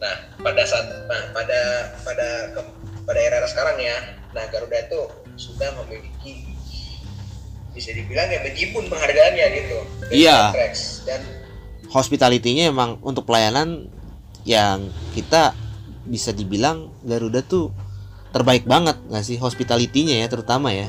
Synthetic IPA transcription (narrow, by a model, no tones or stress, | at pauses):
nah | padasat̪nahpadapadakə | padaeɾaɾasə̥kaɾaŋja | nahɡaɾudat̪u | sudahməmiliki | bisadibilaŋjaŋbəd͡ʒipʊnpəŋɦarɡaːnɲaɡit̪uijak̪ɾɛksdan | hospit̪alit̪iɲaemaŋṵnt̪ʊk̚pəlajanan | jaŋkit̪a | bisadibilaŋ | ɡaɾudaht̪u | t̪ːərbaɪk̚baŋət̪̚ŋasɪɦospit̪alit̪iɲajat̪əɾut̪amaja